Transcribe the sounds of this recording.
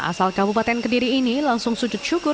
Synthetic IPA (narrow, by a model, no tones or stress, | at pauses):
ʔa̰salkabupat̪ɛnkədiɾiːnilaŋsʊŋsud͡ʒʊt̪̚ʃukʊ